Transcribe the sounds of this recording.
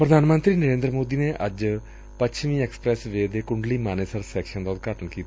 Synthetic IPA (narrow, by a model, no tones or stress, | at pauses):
pɾəd̪ʱaːnmə̃nt̪ɾiːnəɾẽːnd̪ɾəmoːd̪iːneːʔəd͡ʒ | pəʃʰʋĩːɛːksə̥pɾɛːsʋeːd̪eːkʊɳɖliːmaːneːsəɾsɛːkʃənd̪aːʊt̪̚ɡaːʈənkiːt̪aː